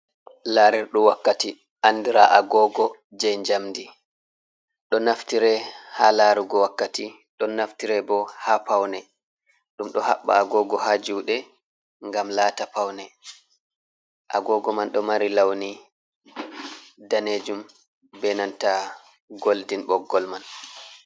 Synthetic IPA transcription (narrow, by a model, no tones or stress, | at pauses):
laːɾiɾɗɔwakːati | ʔanːdiɾaʔaɡɔːɡɔ | d͡ʒɛɲd͡ʒamdi | ɗɔnaftiɾɛhalaɾuɡɔwakːati | ɗɔnːaftiɾɛbɔhapawnɛ | ɗumɗɔha̰ɓːa̰ːɡɔɡɔhad͡ʒuwɗɛ | ŋɡamlaːtapawnɛ | ʔa̰ɡɔːɡɔmanɗɔmaɾilawni | daneːd͡ʒum | bɛnanta | ɡoldinɓɔɡːɔlman